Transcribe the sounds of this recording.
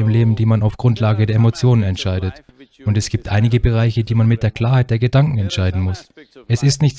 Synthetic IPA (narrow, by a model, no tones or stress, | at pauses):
ɪmleːbm̩diːmanaʊfɡ̥ʁʊntlaːɡədeːɐʔemot͡sjoːnənɛntʃaɪɾət | ʔʊntɛsɡ̥iːp̚tʔa̰ɪnɪɡəbəʁ̞aɪçədiːmanmɪt̚d̥eːɐkʰl̥aːɐhaɪt̚d̥eːɐɡədaŋkŋ̩ɛntʃaɪdn̩mʊsʔɛsɪstnɪçt